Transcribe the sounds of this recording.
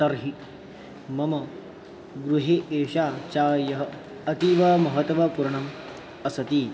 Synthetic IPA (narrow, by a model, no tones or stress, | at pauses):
tɐɾɦi | mɐmɐ | ɡɾuɦeːʔeːʃaːt͡ʃaːjɐɦɐ | ɐt̪iʋɐmɐɦɐt̪ʋɐpuɾɳɐm | ɐsɐt̪iː